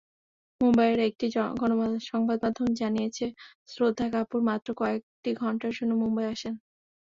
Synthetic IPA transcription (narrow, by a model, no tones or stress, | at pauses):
mumbajeɾaek̚ʈiɡɔnoʃɔŋbad̪̚mad̪ʱond͡ʑanijet͡ɕʰe | sɾod̪ʱːakapuɾmat̪ːɾokɔek̚ʈiɡʱɔɳʈaɾd͡ʑonːomumbajaʃen